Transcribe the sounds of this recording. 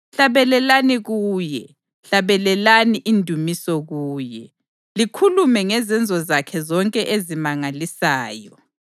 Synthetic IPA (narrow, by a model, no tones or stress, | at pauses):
ɬaβɛlɛlaniɣuːjɛ | ɬaβɛlɛlaniʔindʱumisɔɣuːjɛ | likʰulumɛŋɛzɛnd͡zʱɔzakʰɛzɔŋkʼɛʔezimaŋalisaːjɔ